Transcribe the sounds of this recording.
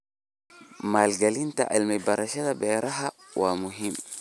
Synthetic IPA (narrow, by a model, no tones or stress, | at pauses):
malɡalinta̰ʔa̰lmabaɾaʃatabɛɾaɦa | wʔamuɦim